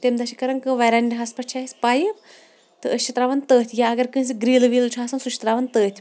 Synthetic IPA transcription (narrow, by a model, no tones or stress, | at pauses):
t̪emd̪ɐʃikɐɾɐŋkɨʋɐɾɐnʲɖʲiɦɐspɐt͡ʃʰaːɦisʲpaːjip | t̪ɨəst͡ʃʰit̪ɾaːʋɐnt̪əːt̪ʰʲjaɐɡɐɾkɨns̬ʲiɡɾiːlʋiːlt͡ʃʰuɦaːsɐnsuʃʰt̪ɾaːʋɐnt̪əːt̪ʲʰ